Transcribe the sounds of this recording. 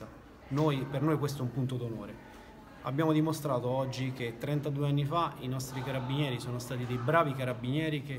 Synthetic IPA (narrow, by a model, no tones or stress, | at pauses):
a | nojpernojkwest̪oɛumpunt̪od̪onoːɾe | a̰bjaːmod̪imost̪ɾaːt̪oɔd͡ʒːik̟et̪ːɾɛnt̪ad̪uːeanːifainɔst̪ɾikaɾabːinjɛːɾisoːnost̪aːt̪id̪ejbɾaːvikaɾabːinjɛːɾik̟e